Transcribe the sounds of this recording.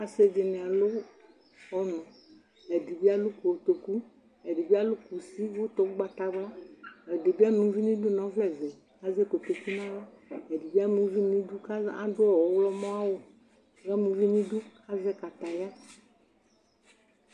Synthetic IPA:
a˨se˦d͡ʒɪ˨nɛ̃˨a˨lo˦ | ɔ˦nɔ̃˨ | ɛ˨di˨bi˦a˦lu˦ko˨t̪o˨ku˦ | e˨di˨bi˦a˦lʊ˦ku˨si˦vo˦t̪ɔ˨ku˦ɡ͡ba˨t̪a˨bla˦ɛ˨de˨bi˦a˦m˨ũ˨˦vi˦nĩ˦du˦nɔ̃˨˦vlɛ˨vɛ˨ | a˨zɛ˦ko˨t̪o˨ki˦nã˦wa˦ | e˨di˨bi˦a˦m˨ũ˨˦vi˦nĩ˦du˦ka˦a̰˦dʊ˦ɔ˦ɔ˨wlɔ˦mɔ̃˦a˦wo˨ | ɣɛ˦mũ˨˦vi˦nĩ˦du˦ka˦zɛ˦ka˨t̪a˨ja˦

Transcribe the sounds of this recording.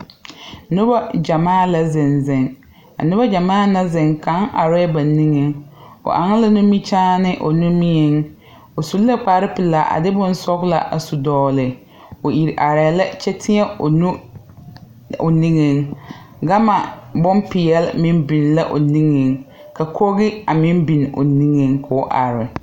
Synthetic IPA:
nʊ˦ba˦d͡ʒa˨maː˦˨la˦zɪ˨nzɪ˨ŋ | a̰˨nʊ˦ba˦d͡ʒa˨maː˦˨na˦zɪ˨ŋka˨˦ŋʔa̰˨ɾɛ˦ba˨ni˦ŋe˨ŋo̰˨ʔa˨ŋɪ˦la˦nʊ˦mi˦t͡ʃaː˦nɪ˦ʔo̰˨nu˦mi˦ɛ˨ŋ | o˨su˨lla˦k͡paː˨˦ɾɪ˦pɪ˨la˨ʔa̰˨dɪ˦bʊ˦n˦sɔ˦ɣla̰˦ʔa̰˨su˨dɔː˨lɪ˨ | o˨i˨ɾʔa˨ɾa˨la˦t͡ʃɛ˦tʰɪ˦ɛ˦o˨nu˦ | o˨ni˦ŋe˨ŋ | ɡa˦ma˨bʊ˦mpi˨jɛ˨˦lmɪ˦m˦bi˨n˨la˦ʔo˨ni˦ŋe˨ŋ | ka˨kʰo˦ɣɪ˦a˨mɪ˦m˦bi˨n˨o̰˨ni˦ŋe˨ŋkʰʊ˨˦ʔa˨ɾɪ˨

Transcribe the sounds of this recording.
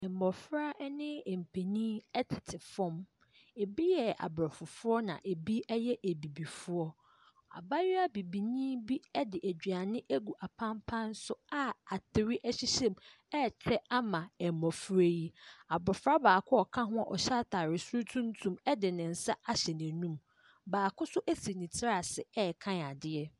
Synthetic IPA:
ɛ˨m˨mɔ˨fɾa˦ʔɛ˦nɪ̃˦˨m̩˨pʰe˨nĩː˦ɛ˦tʰɪ˨tʰɪ˨fɔ̃˦m | e˨bi˦jɛ˨a̰˨bɾɔ˨fʊ˨fʊ˦ɔ˦nã̰˨ʔe˨bi˦ɛ˦jɛ˦ʔe˨bi˨bi˨fʊ˦ɔ˦ | a̰˨ba˦jɪ˦a˦bi˨bi˨nĩː˦bi˦ɛ˦dɪ˨ʔæ˨d͡ʑᶣɥa˨nɪ̃˦ʔæ˦ɡu˨ʔa˨pʰã˦mpʰã˦n̩˦sʊ˦a˨a˨tʰɪ˨ɾɪ˦ʔæ˦ɕi˦ɕɛ̃˦m | ɛ˦˨t͡ɕʰɾɛ˦a˦mã˨ɛ˨mɔ̃˨fɾe˦ji˦a˨bɾɔ˨fɾa˦baː˨kʰʊ˦ɔ˨kʰã˦ɦʊ̃˦a˨ʔɔ̰˨ɕa˦tʰa˨ɾɪ˨su˦tʰũ˦ntʰũ˦mɛ˦dɪ˨nɪ̃˨n̩˨sa˦a˦ɕɛ˨nɪ̃˨nũ˦m | baː˨kʰʊ˦sʊ˦ʔæ˦si˨nĩ˨tʰɪ˦ɾa˨sɪ˨ɛ˦˨kʰã˦˨a˨dɪ˦ɛ˦

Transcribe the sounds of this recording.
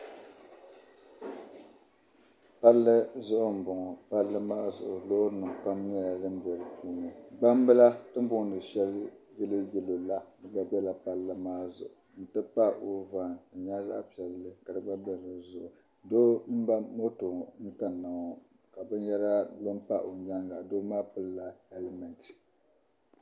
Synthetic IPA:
pa˦lːɨ˦zʊ˦ʔʊ˦m̩˨bʊ˨ŋɔ˨pa˨lːɨ˦maː˦zʊ̰˨ʔʊ˨lo˦nɨ˨ŋ˨pa˦mɲ˦a˦˨dɨ˦m˦bɛ˨ɾɨ˨puː˦no˨ba˦m˦bɨ˦la˦tɨ˦m˦bʊ˦ŋ˨dɨ˨ʃɛ˦ljɛ˦lɨ˦jɛ˨lo˨la˦dɨ˨ba˦bɛ˦la˨pa˨lːɨ˦maː˦zʊ̰˨ʔʊ˨n̩˦˨tɨ˦pa˦o˨va˨ŋa˨ɲa˦za̰˦ʔpi˨ɛ˨lːɨ˦ka˨dɨ˨˦ba˦bɛ˦˨ɨ˨zʊ˨ʔʊ˨ | do˦m̩˦ba˦mo˦to˨ŋ̩˦ka˨nː˨a˨ŋɔ˨ | ka˨bɨ˦njɛ˦ɾa˦lo˦mpa˦ʔo˨ɲa˦ŋɡa˨doː˦maː˦pʊ˦lla˦hɛ˦lmɛ˨nti̥˨

